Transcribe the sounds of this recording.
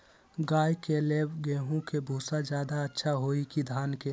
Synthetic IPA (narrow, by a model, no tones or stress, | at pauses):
ɡaːjkeleːbɡeːɦũkebʱuːsad͡ʒjaːd̪aətːʃʰaɦoːikid̪ʱaːnke